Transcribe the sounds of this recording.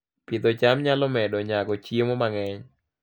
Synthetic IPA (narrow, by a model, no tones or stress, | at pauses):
pɪt̪ɔt͡ʃamɲalɔmɛdɔɲaɡɔt͡ʃjemɔmaŋɛɲ